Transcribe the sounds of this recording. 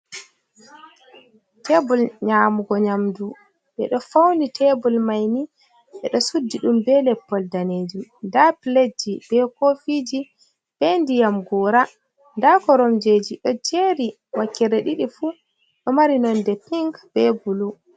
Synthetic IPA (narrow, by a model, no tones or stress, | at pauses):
tebulɲaːmuɡɔɲamdu | ɓɛ̰ɗɔfawnitʰɛbulmajni | ɓɛɗɔsudːiɗumbɛlɛpːɔldaneːd͡ʒumndapled͡ʒːib̥ɛkofid͡ʒi | b̥endijamɡɔːɾa | ndakɔɾɔmd͡ʒed͡ʒiɗɔd͡ʒeɾi | wakːɛɾɛɗiɗifu | ɗɔmaɾinɔndɛpiŋɡb̥ɛɡulu